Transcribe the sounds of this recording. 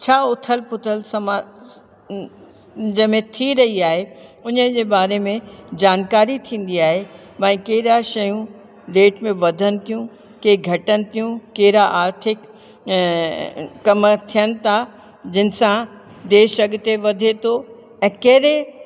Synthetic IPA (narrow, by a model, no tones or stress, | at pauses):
t͡ɕʰaːʊt̪ʰəlpʊt̪ʰəlsɐm | d͡ʑɐmẽt̪ʰiɾɐɦiaːɦeʊnəd͡ʑeːbaːɾemẽd͡ʑaːnkaːɾit̪ʰĩːn̆d̪iaːɦe | mɐ̃ĩkɐɦɪɾaʃɐjũ | leːʈmẽʋɐd̪ʱənɪ̆t̪ʰijũ | keːɡʱɐʈənɪ̆t̪ʰijũkeːɪɾaʔaːɾt̪ʰɪk | kːɐmt̪ʰijənɪ̆t̪ʰa | d͡ʑɪnɪ̆sã | d̪eːʃɐɡt̪eʋɐd̪ʱet̪ʰo | ɛ̃ːkɐɦɾe